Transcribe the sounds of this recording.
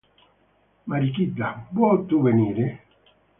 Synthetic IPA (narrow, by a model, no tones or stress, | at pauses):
maɾikid̪ːabwɔt̪ːuveniːɾe